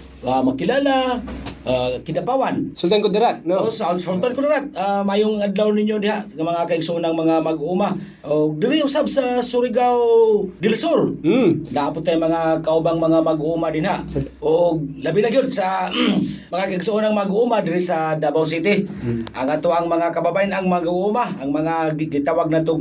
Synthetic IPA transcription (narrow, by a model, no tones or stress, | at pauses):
amakɪlaːla | akɪdapawansʊlt̪ankod̪aɾat̪̚sʊlt̪ankod̪ɪɾat̪̚amajʊŋad̪lawnɪɲod̪ɪhaʔŋamɐŋakaɪɡsoʔʊnaŋmɐŋamaɡuma | ʔoɡ̚d̪ɪɾɪhʊsabsasʊɾɪɡawd̪ɪlsoɾnaʔapʊt̪ːajmɐŋakaʔubaŋmɐŋamaɡumad̪ɪnɦaʔoɡ̚labɪlaɡjod̪sa | maŋakaɪɡsoʔːnaŋmaɡumad̪ɪɾɪsad̪abaws̬it̪ɪʔa̰ŋat̪oʔaŋmɐŋakababajɪnaŋmaɡuʔumaaŋmaŋaɡɪt̪awaɡ̚nat̪ʊ